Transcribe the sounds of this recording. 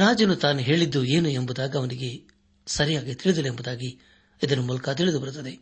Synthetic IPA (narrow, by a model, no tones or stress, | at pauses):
ɾaːd͡ʒɐnut̪aːnuɦe̞ːɭid̪ːue̞ːnuembud̪aːɡɐːʋɐniɡe̞ | sɐɾijaːɡit̪iɭid̪ɐleembud̪aːɡi | id̪ɐnumuːlɐkɐt̪̬iɭid̪ubɐɾut̪ːɐd̪e̞